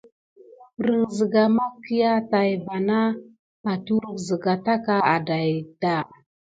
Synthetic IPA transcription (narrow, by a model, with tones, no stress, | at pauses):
ɾə˨ŋzə˨ɡa˨ma˦ki˦ja˦ta˨jva˨na˦ | pa˨tu˦ɾə˨zə˨ɡa˨ta˦ka˦a˨da˨jda˦˨